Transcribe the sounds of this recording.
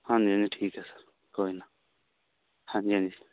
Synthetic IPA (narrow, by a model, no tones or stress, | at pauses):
hãnd͡ʒiãnd͡ʒiʈʰiːkɦɛːsəɾ | koːina | hãːnd͡ʒiãnd͡ʒi